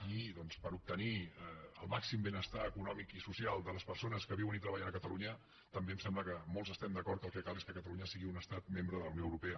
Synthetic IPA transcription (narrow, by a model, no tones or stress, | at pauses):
iðɔnspəɾup̚t̪əniəlˠmaksimbenəst̪aəkunɔmikisusialˠd̪ələspəɾsonəskəβiwənit̪ɾəβaʎənəkət̪əluɲə | t̪əmbeəmsɛmbləkəmolˠzəst̪ɛmd̪əkɔɾt̪kəlˠkɛkalˠeskəkət̪əluɲəsiɣiunəst̪at̪̚membɾəðələwnioəwɾupeə